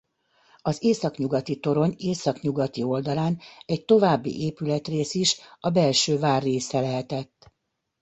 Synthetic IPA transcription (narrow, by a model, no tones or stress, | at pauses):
ɒzeːsɒkɲuɡɒt̪it̪o̞ɾo̞ɲeːsɒkɲuɡɒt̪io̞ld̪ɒlaːnɛct̪o̞vaːbːḭʔeːpylɛt̪reːsiʃɒbɛlʃøːvaːrːeːsɛlɛɦɛt̪ɛt̪ː